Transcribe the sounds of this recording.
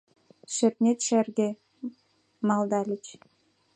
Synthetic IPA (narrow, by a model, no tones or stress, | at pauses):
ʃɘ̆t̪nʲet̪ʃærɡe | mɑld̪ɑlʲɘ̆t͡ɕ